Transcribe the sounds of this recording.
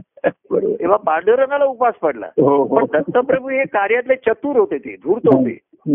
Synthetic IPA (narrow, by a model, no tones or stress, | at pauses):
bəɾo̰bt̪eʋ̤apaɾɖəɾəŋɡalaupaspəɽla̰ɦopəɳd̪ʱət̪ːəpɾəbʱuɦekaɾjat̪let͡ɕət̪uːɾɦot̪et̪ḛd̪ʱuːɾt̪əɦot̪ḛ